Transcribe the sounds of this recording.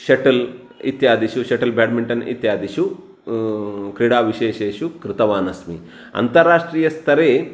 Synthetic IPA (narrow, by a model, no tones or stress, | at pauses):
ʃeʈɐl | ḭt̪jaːd̪iʃuʃeʈɐlbʱaːɽmiɳʈɐnḭt̪jaːd̪iʃu | kɾiɽaːʋiʃeːʃeːʃukɾɪt̪ɐʋaːnɐsmḭ | ɐ̰nt̪ɐɾːaːʂʈɾiːjɐst̪ʰɐɾeː